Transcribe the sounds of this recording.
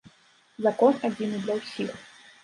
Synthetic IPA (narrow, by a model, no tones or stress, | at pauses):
zɐkɔnɐd͡zʲinɨd̪lʲɐwsʲix